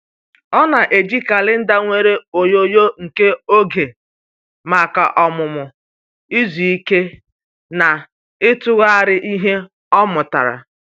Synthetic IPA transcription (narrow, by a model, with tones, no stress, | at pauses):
ɔ˦na˨ʔe˨d͡ʒi˦ka˨lɪ˦n̩˦da˦ŋʷe˨ɾe˦o˨jo˦jo˦ŋ̩˨ke˦o˦ɡe˨ | ma˨ka̰˨ʔɔ˨mʊ˨mʊ˨ | i˦zi˨i˦ke˦ | na˨ | ɪ˦tʊ˦ɣa˦a˦˨ɾɪ˦ʔi˦ɦe˦ | ɔ˦mʊ˨ta̰˨ɾa̰˨